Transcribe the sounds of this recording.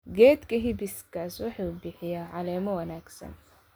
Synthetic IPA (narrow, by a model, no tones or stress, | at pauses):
ɡɛːd̪kʰɐɦɪbɪskʰaːswʊħɑːʊbɪħɪjaːʕɑlɛːmɔwɐnaːɡsɐ̰n